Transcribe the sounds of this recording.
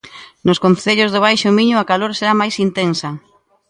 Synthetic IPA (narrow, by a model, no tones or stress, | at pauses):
nʊskon̟θeʎozðʊβ̞ajʃʊmiɲʊakaloɾseɾamajsint̪ensɐ